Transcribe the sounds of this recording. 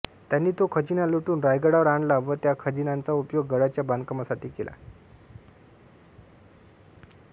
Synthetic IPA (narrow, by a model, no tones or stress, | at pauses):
t̪janːiːt̪okʰəd͡ʑinaluʈuːnɾajɡəɽaʋəɾaɳɖlaʋət̪jakʰəd͡ʑinant͡saupjoɡːəɽat͡ɕjaband̪kəmasaʈiːkelʔa̰